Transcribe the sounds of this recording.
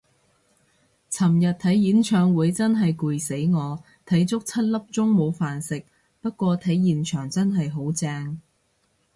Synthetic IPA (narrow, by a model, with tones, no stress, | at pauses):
t͡sʰɐ˨˩mjɐ˨t̚t̪ʰɐ˨˥jːiː˨˥nt͡ʃʰœː˧ŋwuː˨˧jt͡sɐ˥nɦɐ˨jkuː˨jse˨˥jŋɔː˨˧ | t̪ʰɐ˨˥jt͡sʊ˥k̚t͡sʰɐ˥t̚lɐ˥p̚t͡sʊ˥ŋmo˨˧wfaː˨nsɪ˨k̚ | pɐ˥t̚kʷɔː˧t̪ʰɐ˨˥jːiː˨nt͡ʃʰœː˨˩ŋt͡sɐ˥nɦɐ˨jɦo˨˥wt͡sɛː˧ŋ